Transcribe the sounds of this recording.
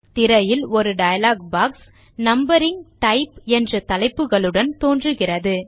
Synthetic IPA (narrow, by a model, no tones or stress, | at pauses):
t̪ɪɾɐjɪlɔɾɯɖɐjɐlaːɡbaːks | nɐmbɐɾɪŋɡʈɐɪpɛndrɐt̪ɐlɐɪpːɯɣɐɭɯɽɐnt̪oːndrɯɣɪrɐðɯ